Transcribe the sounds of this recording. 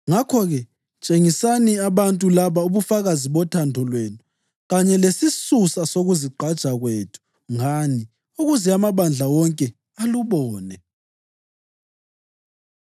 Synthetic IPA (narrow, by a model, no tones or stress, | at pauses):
ŋakʰɔɣɛ | t͡ʃʼeŋisaniaβantʼulaβauβufaɣaziβɔtʰandʱɔlwenu | ɣaɲɛlesisusasoɣuziǃʱad̥t͡ʃʼaɣweːtʰu̥ | ŋani | uɣuzɛamaβand͡ɮʱawɔŋkʼɛ | aluβɔːnɛ